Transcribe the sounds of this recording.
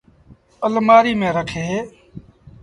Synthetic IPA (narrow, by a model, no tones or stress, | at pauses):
əlmaːɾiːmẽːɾəkʰeː